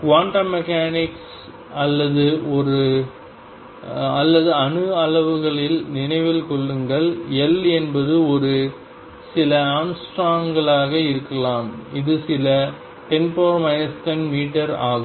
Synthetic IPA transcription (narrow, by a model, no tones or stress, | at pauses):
kʋaːɳʈɐmːɛkaːnɪks | ɐlːɐðɯɔɾɯ | ɐlːɐðɯɐnɯɐɭɐʋɯɣɐɭɪlnɪnɐɪʋɪlkɔɭːɯŋɡɐɭɛlɛnbɐðɯɔɾɯ | sɪlɐaːmsʈɾaːŋɡɐɭaːɣɐɪɾɯkːɐlaːmɪðɯsɪlɐ | ʈɛnpoːɾmɐjɐstɐnmiːʈːɐɾaːɣɯm